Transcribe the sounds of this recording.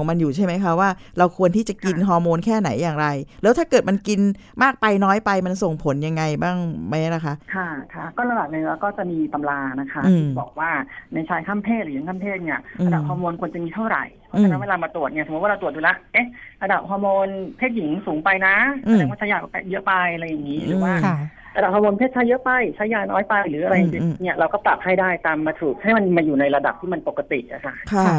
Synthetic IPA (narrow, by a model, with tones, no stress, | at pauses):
ɔ˩˦ma˧njuː˨˩a˥˩jma˦˥jkʰa˦˥waː˥˩ɾa˧wkʰu˧ənt̪ʰiː˥˩t͡ɕa˨˩ki˧nɦɔː˧moː˧nkʰɛː˥˩na˩˦jːaː˨˩ŋɾa˧jlɛː˦˥wt̪ʰaː˥˩kɤː˨˩t̪̚ma˧nki˧n | maː˥˩k̚pa˧jnɔː˦˥jpa˧jma˧nso˨˩ŋpʰo˨˩˦nja˧ŋːa˧jbaː˥˩ŋma˦˥jla˨˦kʰa˦˥kʰa˥˩kʰa˦˥kɔː˥˩ɾa˧baː˨˩ni˧˩laː˧˩kɔː˥˩t͡ɕa˨˩miː˧t̪a˧mlaː˧na˦˥kʰa˦˥ɯ˧˩i˧˨bɔ̰ː˨˩k̚waː˥˩na˧jt͡ɕʰaː˧jkʰa˥˩˨mpʰeː˥˩t̪lɯ˨˦ji˨˦ŋkʰa˥˩mpʰeː˥˩t̪̚ni˥˩ɐɾʔɯa˧da˨˩hɔː˧moː˧nkʰu˧ənt͡ɕa˨miː˧t̪ʰa˥˩wɾa̰˨˩jpʰɔ˦˥t͡ɕa˨na˦weː˧laː˧maː˧t̪ɾu˨˩ət̪̚ni˥˩˨st̪̚wa˥ɾa˧t̪u˨˩əjuː˨la˦˥ʔʔe˦˥ɾa˧da˨˩p̚hɔː˧moː˧npʰeː˥˩t̪̚ji˩˦ŋsuː˩˦ŋpa˧jna˦˥a˧˩ɛː˧ŋwaː˥˩t͡ɕʰa˦˥jaː˨˩k̚pɛ˨˩jɤ˦˥ʔpa˧ja˧ɾa˧jːa˨˩ŋːiː˦˥ɾɯː˨˦waː˥˩ | ɾa˧da˨˩hɔː˧moː˧npʰeː˥˩t̚t͡ɕʰa˦˥jːɤ˦˥pa˧jt͡ɕʰaː˦˥jːaː˧nɔː˦˥jpa˧jɾɯː˩˦a˧ɾa˧jːa˨ŋt͡ɕi˧ni˥˩ɐɾa˧wkɔː˥˩pla̰˨˩p̚ha˥˩jdaː˥˩jt̪aː˧mːaː˧t̪ʰuː˨˩k̚ha˥˩jma˧nmaː˧juː˨˩na˧jɾa˧da˨˩p̚t̪ʰiː˥˩ma˧npo˨˩kːa˧t̪ḭ˨˩ʔa̰˨˩kʰa˦˥˩